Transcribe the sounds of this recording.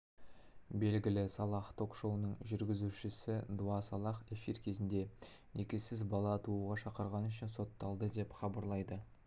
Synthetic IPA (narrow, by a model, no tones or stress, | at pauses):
be̞lɡʲɪlɪsɑlˠɑχt̪ʰo̞kʃo̞wənəɴʒʏɾɡʲɪzuʃɪsɪd̪uɑsɑlˠɑχe̞fiɾkʲʰe̞zɪnd̪e̞ | nʔekʲesɪzbɑlˠɑt̪uʁɑʃɑqəɾʁɑnʏʃɪnso̞t̪ːɑlˠd̪əd̪e̞pχɑbɑɾlˠɑjd̪ə